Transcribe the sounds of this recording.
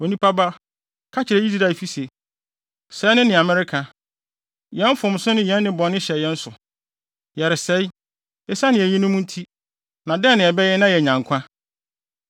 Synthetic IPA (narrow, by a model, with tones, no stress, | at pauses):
o˨nĩ˦pʰa˦ba˦ | kʰa˦t͡ɕʰɪ˨ɾɛ˨˦i˦di˦da˨fi˦se˨ | sɛ˨˦nɪ̃˦nɪ̃˨a˨mɛ˦ɾɪ˦kʰa˨ | jɛ˦m̩˦fʊ̃˨m˨˦sʊ˦nɪ̃˦jɛ̃˦nː˦ɪ̃˦bɔ̃˨nɪ̃˦ɕɛ˨jɛ˦n̩˦sʊ˨ | jɛ˨ɾɪ˨sɛ˦i˦ | ɛ˦sa˦nɪ̃˨æ˨ɲĩ˦nʊ̃˦mũ˦n̩˦tʰi˦ | nã˨dɛ̃˦˨nɪ̃˨ɛ˨bɛ˦jɛ˦nã˦jɛ˨ɲã˨ŋ˨kʷʰã˦